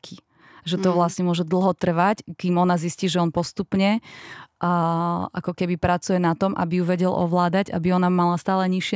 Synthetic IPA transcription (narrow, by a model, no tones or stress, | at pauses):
kʰi | ʒɛt̪ɔʋlasɲɛmʊɔʒɛd̪l̩ˠɦɔt̪r̩ʋackiːmɔnazisciːʒɛɔnpɔst̪upɲɛ | ʔa̰kɔkɛbipɾat͡sujɛnat̪ɔmʔa̰bijuʋɛɟɛlʔɔ̰ʋlaːd̪aɟa̰biɔnamalast̪aːlɛɲiʃɪɛ